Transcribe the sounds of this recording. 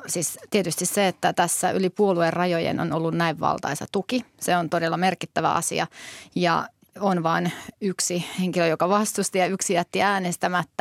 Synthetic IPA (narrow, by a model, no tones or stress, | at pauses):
siːst̪iet̪yst̪isseet̪ːæt̪æsːæʔy̰lipuoluerrɑjojḛno̰nolːunnæiʋʋɑ̰lt̪ɑ̰isɑ̰t̪ukiseont̪odelːɑmerkit̪ːæʋæ̰ɑ̰sḭɑ̰jɑ̰ | onʋɑːnyksiheŋkiløjokɑʋɑst̪ust̪ijɑyksijæt̪ːiæːnest̪æmæt̪ːæ